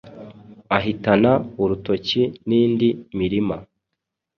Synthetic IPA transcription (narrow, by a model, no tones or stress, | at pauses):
aɦitanauɾuto̞ciniːndimiɾima